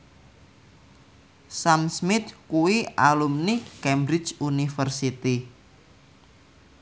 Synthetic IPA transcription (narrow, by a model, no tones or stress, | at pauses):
samsmɪt̪kuwialumnikɛmbɾɪt͡ʃunifərsit̪i